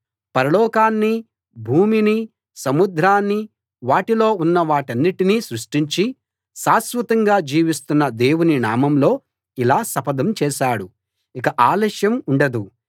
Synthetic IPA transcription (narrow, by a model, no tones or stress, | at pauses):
pɐɾɐlɔːkaːnːi | bʱuːmini | sɐmud̪ʱɾaːnːi | ʋaːʈilo̞ːunːɐʋaːʈɐnːiʈiniːsɾuʂʈiɲt͡ʃi | ʃaːsʋɐt̪ɐŋɡaːd͡ʒiːʋist̪unːɐd̪eːwuninaːmɐmlo̞ː | ilaːsɐpɐd̪ɐmt͡ʃɛːʃaːɽu | ikɐʔaːlɐʃjɐmuɳɖɐd̪u